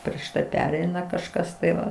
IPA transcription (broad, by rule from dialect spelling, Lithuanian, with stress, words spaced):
pʲrʲiɛʃ ˈtɐɪ ˈpʲæːrʲɛɪnɐ kɐʃˈkɐs tɐɪ ˈʋɐ